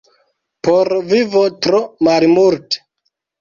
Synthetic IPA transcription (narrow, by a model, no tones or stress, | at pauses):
poɾvivotɾomalmulte̥